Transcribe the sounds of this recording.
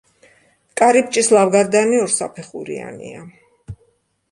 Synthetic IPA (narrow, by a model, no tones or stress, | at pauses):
kʼaɾip̚ʰt͡ʃʼislˠavɡaɾd̪aniɔɾsa̰pʰɛχṵɾḭa̰nḭa